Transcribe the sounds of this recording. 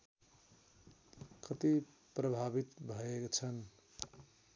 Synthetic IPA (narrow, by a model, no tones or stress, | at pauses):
kʌt̪i | prʌbʱabit̪bʱʌekt͡sʰʌn